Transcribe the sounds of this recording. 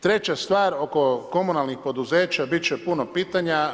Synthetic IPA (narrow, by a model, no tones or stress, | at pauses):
t̪ɾe̞t͡ɕast̪ʋaːɾo̞ko̞ko̞munalnixpo̞d̪uzeːt͡ɕabit̪̚t͡ɕepunopiːt̪aɲa